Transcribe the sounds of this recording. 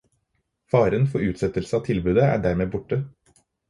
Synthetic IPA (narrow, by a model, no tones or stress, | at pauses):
fɑːɾənfɔɾʉːt̪sɛt̪əlsəɑːt̪ʰɪlbʉːd̪əæ̰ːɖæːɾmeːbʊʈə